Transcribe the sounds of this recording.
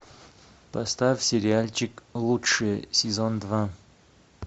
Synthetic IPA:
pɐst̪afʲsʲɪɾʲɪalʲt͡ɕɪklˠutʂɨjəsʲɪzond̪va

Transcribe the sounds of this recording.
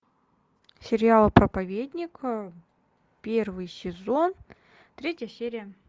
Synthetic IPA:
sʲɪɾʲɪalˠəpɾəpɐvʲed̪ʲnʲɪkə | pʲe̞rvɨjsʲɪzo̞n | t̪ɾʲetʲjəsʲeɾʲɪjə

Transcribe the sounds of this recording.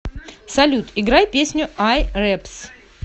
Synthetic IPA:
sɐlʲut̪ɪɡɾajpʲesʲnʲʊajrɛps

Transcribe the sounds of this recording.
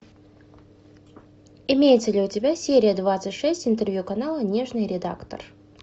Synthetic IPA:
ɪmʲejɪt̪səlʲɪʊtʲɪbʲasʲeɾʲɪjəd̪vat̪sɨtʲʂɛsʲtʲɪnt̪ərvʲjukɐnalˠənʲe̞ʐnɨjɾʲɪd̪a̰kt̪ə̰r

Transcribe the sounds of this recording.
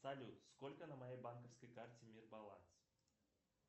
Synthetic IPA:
sɐlʲut̪skolʲkənəmɐjejbankəfskəjkartʲɪmʲirbɐlˠa̰ns

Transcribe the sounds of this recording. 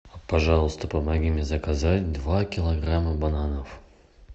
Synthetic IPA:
pɐʐɑlˠəst̪əpəmɐɡʲimʲɪzɐkazatʲd̪vakʲɪlˠɐɡraməbananəf

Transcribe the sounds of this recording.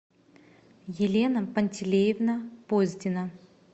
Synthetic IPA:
jɪlʲenɐpɐnʲtʲɪlʲejɪvnəpozʲdʲɪnɐ

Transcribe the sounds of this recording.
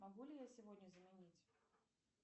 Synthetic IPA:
maɣulʲijasʲivɔd̪ʲnʲəzɐmʲɛnʲit͡sʲ

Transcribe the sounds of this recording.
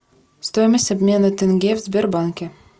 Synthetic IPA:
st̪ojməsʲɐbʲmʲenət̪ʲɪnɡʲevzʲbʲerbaŋkʲe

